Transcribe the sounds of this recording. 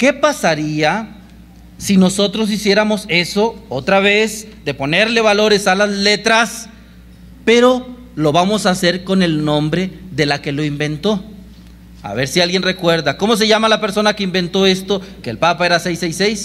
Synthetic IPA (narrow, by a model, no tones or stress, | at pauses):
ke̞pasaɾia | sino̞so̞t̪ɾo̞s̬isje̞ɾamo̞se̞so̞ot̪ɾaβ̞e̞zd̪e̞po̞ne̞ɾle̞βalo̞ɾe̞salazle̞t̪ɾas | pe̞ɾo̞ | lo̞βamo̞sase̞ɾko̞ne̞lnõ̞mbɾe̞ðe̞lake̞lo̞imbe̞nt̪o̞ | a̰βe̞ɾsialɣje̞nre̞kwe̞ɾðako̞mo̞s̬e̞ʝamalape̞ɾso̞nake̞imbe̞nt̪o̞e̞st̪o̞ke̞ːlpapae̞ɾasejsejsejs